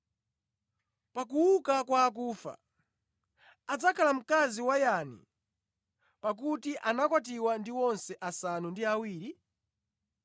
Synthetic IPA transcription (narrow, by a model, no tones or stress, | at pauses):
pakuwukakwaːk̬uːfa̰ | ad͡zakʰalam̩kaziwajanḭ | pak̬utiʔanakwat̬iwandiwɔnsɛʔasanundiawiːɾi